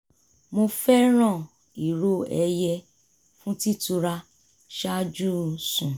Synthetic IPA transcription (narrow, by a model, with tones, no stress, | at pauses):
mo˧fɛ˦ɾ̃ã˦˨ | i˨ɾo˦ɛ˧jɛ˧ | fũ˦ti˦tu˧ɾa˧ | ʃa˦d͡ʒu˦sũ˨